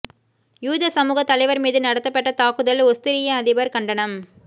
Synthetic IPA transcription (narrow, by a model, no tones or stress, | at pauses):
juːðɐsɐmuːɣɐt̪ːɐlɐɪʋɐɾmiːðɯnɐɽɐt̪ːɐpːɐʈːɐt̪aːkɯðɐlɔst̪ɪɾɪjɐɐðɪbɐɾkɐɳɖɐɳɐm